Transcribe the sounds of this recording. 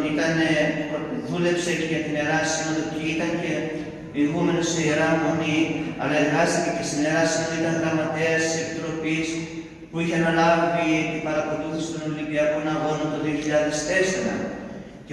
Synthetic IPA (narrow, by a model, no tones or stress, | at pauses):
it̪ɐne | ðule̞pseceʝɐt̪ine̞ɾɐsinoðoceit̪ɐŋce̞ | ɣume̞noseieɾɐmoniɐlɐeɾɣɐst̪itecest̪ineɾɐsinoðoit̪ɐŋɣɾɐmɐt̪e̞ɐst̪i̥se̞pit̪ɾo̞pis | puiçeɐnɐlɐviviibɐɾɐkoluθist̪onoliviɐkonɐvoont̪o̞ðio̞çiʎɐðe̞st̪e̞seɾɐ̰ | ce